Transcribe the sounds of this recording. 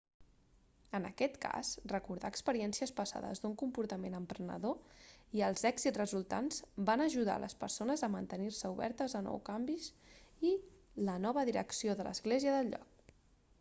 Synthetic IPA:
ənə̰kɛt̪ka̰srəkuɾðaːkspəɾiɛnsiəspəsa̰ðə̰zd̪uŋkumpuɾt̪əmenəmpɾənə̰ðoiəlˠzɛɡz̥it̪rəzulˠt̪a̰nzbanəʒuð̞a̰lʔə̰spəɾsonəzəmənt̪əniɾsəuβɛ̰ɾt̪əzənɔ̰wkambizi | lənɔβ̞əðiɾə̰ksioðələ̰zɣleziəðəlʎɔ̰k̚

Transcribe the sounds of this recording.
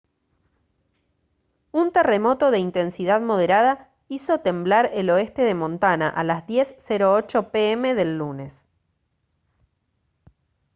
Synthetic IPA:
unt̪e̞remo̞t̪o̞ðe̞int̪e̞nsiðaðmo̞ð̞e̞ɾað̞a | iso̞t̪e̞mblaɾelo̞est̪e̞ðe̞mõ̞nt̪anaʔalazðje̞sːeɾoot͡ʃo̞peeme̞ðe̞lːune̞s

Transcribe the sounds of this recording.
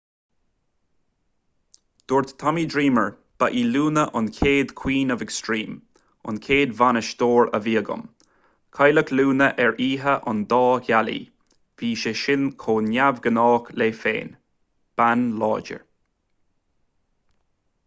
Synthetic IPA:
d̪̥oːɹt̪t̪ʰɔmiːdɹiːməɹ | b̥aʔiːluːnəʔʊnkʰeːd̪kʰw̥iːnəvɛkstɹiːm | ʊ̰nkʰeːd̪vanəʃd̪oːɹə̰viːəɡʊ̰m | kʰajləkluːnəʔɛɹʔiːɦəʔʊ̰nd̪ɑːçalḭ | v̥iːʃeʃɪnkʰoːnjavɡənɑːkleːfḛːn | b̥anlɑːd͡ʒə̰ɹ

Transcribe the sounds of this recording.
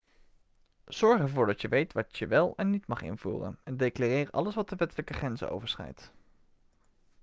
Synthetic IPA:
z̥ɔɹχəvʊːɹdɑtjəʋejtʋɑtjəʋɪlˠɛnːitmɑχɪ̰nvṵːrə̰nɛndejklarɪːrɑ̰ləsʋɑt̚dəʋɛtələkəχrɛnzə̰o̰wvəɹsχɛ̰jt

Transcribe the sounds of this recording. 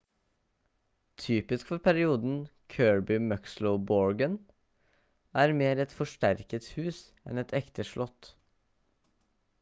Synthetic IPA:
t̪ʰyːpɪskfɔɾpʰæɾɪuːd̪n̩kʰøːɹbɪmœksləʊbɔɹɡən | æːɾmeːɾɛt̪fɔʂʈæɾkət̪hʉːs | ɛ̰nɛt̪ʰɛkt̪əʂɭʔɔt̪

